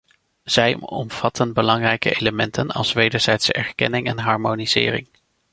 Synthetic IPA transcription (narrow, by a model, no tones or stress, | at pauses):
z̥ɛjɔmv̥ɑtʰənbəlɑŋrɛjkə̰ʔejləmɛntʰənɑ̰lˠsʋejdəɹz̥ɛjtsɛɹkɛnɪŋɛnɦɑɹmoniz̥ɪ̰ːrɪ̰ŋ